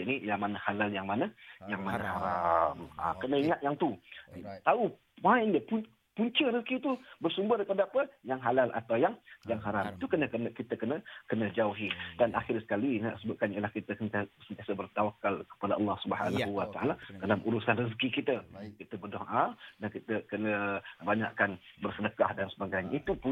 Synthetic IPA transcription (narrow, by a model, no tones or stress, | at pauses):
nilamanəhalaljaŋmanəjaŋmanəhaɾamə̰kənəiŋaʔ̪̚jaŋt̪ut̪au | ajndəpu | puɲt͡ʃəɾəskit̪ubərsumbərdəpadaapəjaŋɦalalʔa̰t̪awjaŋjaŋɦaɾamit̪ukənəkənəkit̪əkənəkənəd͡ʒauɦidana̰xɪrsə̥kalinasəbap̚kanilahkit̪əsənasənt̪iasəbərt̪awakːalkə̥padaʔɑlːɑhsubəɦa̰nauwat̪aʔaladalamʔuɾusanrəs̬kikit̪əkit̪əbərdoŋʔadakit̪əkənəbaɲa̰ʔkanbərsənəkahdansəbaɡajɲaʔit̪upu